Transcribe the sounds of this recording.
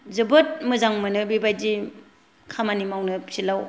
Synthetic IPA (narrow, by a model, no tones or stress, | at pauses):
zɯbɯt̚mɯzaŋmɯnɯbibajd͡ʒi | kʰamanimawnɯpsilaw